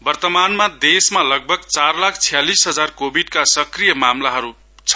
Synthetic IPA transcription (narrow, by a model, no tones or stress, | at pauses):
bʌrt̪ʌmanmad̪esmalʌɡ̚bʱʌɡt͡sarlakʰt͡sʰijalisɦʌd͡zarkobʱiɖkasʌkrijʌmamlaɦʌɾu | t͡sʰʌ